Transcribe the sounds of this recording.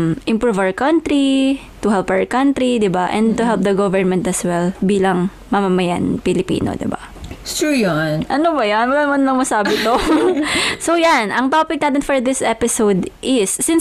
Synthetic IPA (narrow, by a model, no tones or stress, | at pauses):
mʔɪmpɾuvawkɐnt̪ɾi | t̪ʊɦɛlpawɹkɐnt̪ɾid̪ɪbaʔɛ̰̃nd̪̚t̪ʊɦɛlp̚d̪ɐɡovɛɹmɛnt̪ɐswɛlbiːlɐŋ | mɐmɐmɐja̰npɪlɪpḭːno̰d̪ɪ̰ba̰ | ʃujonʔɐnobɐjanwɐlaːnmɐnlɐŋmɐsaːbɪt̪o | sojanʔɐŋt̪opɪk̚naːt̪̬ɪnfɔɹd̪ɪsʔɛpɪsowd̪ʔɪsːɪ̃n